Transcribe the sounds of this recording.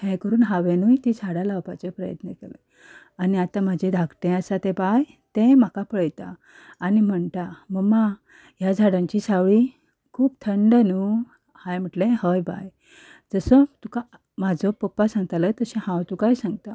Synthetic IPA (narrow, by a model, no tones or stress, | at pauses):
hɛ̃jkəɾuːnɦãʋenujt̪id͡zʱaɽãlawpat͡sepɾəjə̰t̪nəkelə̰ | aniat̪ãm̤ad͡ʑʱed̪ʱakʈ̪ẽasat̪ẽbaj | t̪ẽm̤akapəɭjt̪aː | nim̤əɳt̪aməɡma | jad͡zʱaɽaɲt͡ɕisaʋɭi | kʰuːbt̪ʰəɳɖənu | hajm̤əʈlẽhəjba̰j | d͡zəsət̪uka | mad͡zɔpəpːasãŋɡ̚t̪alət̪əɕɛ̃ɦãwt̪ukajsãŋɡt̪a